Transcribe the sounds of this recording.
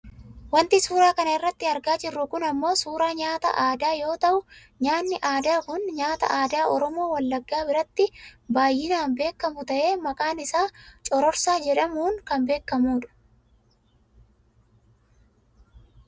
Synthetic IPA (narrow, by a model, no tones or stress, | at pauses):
wɐnt̪ɪsuːɾaːkɐnɐɪrːɐt̪ːɪɐɾɡaːd͡ʒɪrːʊkʊnɐmːo̞ːsuːɾaːɲaːt̪ɐ̰ʔaːd̪aːjo̞ːt̪ɐʔʊ | ɲaːnːɪʔaːd̪aːkʊnɲaːt̪ɐ̰ʔaːd̪aːʔɔɾɔmo̞ːwɐlːɐɡːaːbɪɾɐt̪ːɪbaːjːɪnaːnbe̞ːkːɐmʊt̪ɐʔe̞ːmɐkʼaːnɪsaːt͡ʃʼɔɾɔɾsaːd͡ʒɛᶑɐmuːŋkɐmbe̞ːkːɐmuːᶑɐ̥